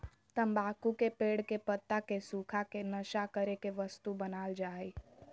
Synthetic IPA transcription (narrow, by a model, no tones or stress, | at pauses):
t̪əmbaːkukepeːɽkepət̪ːakesuːkʰakenəʃakəɾekeʋəst̪ubənaːld͡ʒaːi